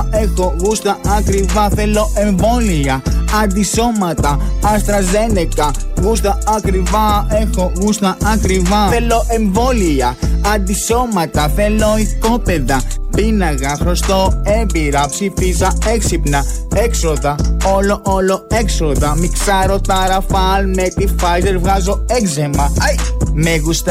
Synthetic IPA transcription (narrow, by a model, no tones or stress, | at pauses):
e̞xoɣust̪ɐɐkɾivɐθe̞lo̞ʔe̞ɱvo̞liɐɐnd̪iso̞mɐt̪ɐɐst̪ɾɐze̞nekɐ | ɣust̪ɐɐkɾivɐe̞xo̞ɣust̪ɐɐkɾivɐθelo̞ʔe̞ɱvo̞liɐɐnd̪iso̞mɐt̪ɐθe̞loiθko̞peðɐpinɐɣɐxɾost̪oebiɾɐpsifizɐe̞ksipnɐe̞ksoðɐoloʔoloe̞kso̞ðɐmiksɐɾot̪ɐɾɐfɐlmet̪ifɐjzeɾvɣɐzo̞ekzemɐɐjmeɣust̪ɐ